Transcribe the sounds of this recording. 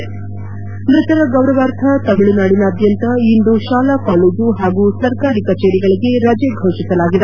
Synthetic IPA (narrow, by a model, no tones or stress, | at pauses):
mɾit̪ɐɾɐɡɐwɾɐʋaːɾt̪ʰɐt̪ɐmiɭinaːɽinɐːd̪jɐnt̪ɐind̪uʃaːlakaːleːd͡ʒuɦaːɡusɐɾkaːɾikɐt͡ʃeːɾiɡɐɭiɡe̞ɾɐd͡ʒeɡʱoːʂisɐlaːɡid̪e